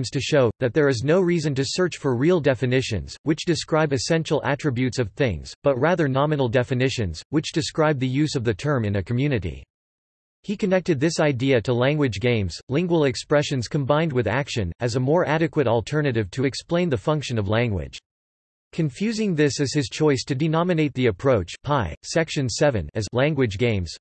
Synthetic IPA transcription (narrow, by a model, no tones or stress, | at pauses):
mz̥tʰɨʃoʊðɨt̪̚ðə˞ɨznoʊɹizɨ̃ntɨsɜ˞t͡ʃfə˞ɹilˠdɛfɨnɪʃɨ̰̃nz̥wɨt͡ʃd̥ɨskɹaɪbɨsɛ̃nʃl̩ˠæ̰tɹ̥ɨbjʉtsʌv̥θɪ̰̃ŋz̥b̥ʌt̚ɹæðə˞nɑmɨnl̩ˠdɛfɨnɪʃɨ̰̃nz̥wɨt͡ʃd̥ɨskɹaɪb̚ðɨjʉzʌvðɨtʰɜ̃˞mɨ̃nɨkʰmjʉnɨɾḭ | hikʰɨnɛk̚tɨd̪̚ðɪsaɪdiɨɾəlæ̃ŋɡwɨd͡ʒɡẽɪ̃mz̥lɪ̃ŋɡwl̩ˠɨkspɹɛʃɨ̃nz̥kʰɨ̃mbãɪ̃nd̚wɨðækʃɨ̰̃nɨzəmɔɹʔæɾɨkwɨɾl̩ˠtʰɜ˞nɨɾɨv̥tʰɨɨksplẽɪ̃nðɨfʌ̃ŋkʃɨ̃nʌvlæ̃ŋɡwɪ̰d̥ʒ̥ | kʰɨ̃ɱfjʉzɪ̃ŋðɪsɨz̥ɨz̥t͡ʃʰɔɪstʰɨdɨnɑmɨneɪt̪̚ðiɨpʰɹ̥oʊt͡ʃpʰaɪsɛkʃɨ̃nsɛvɨ̰̃nɨzlæ̃ŋɡwɨd͡ʒɡẽɪ̃mz̥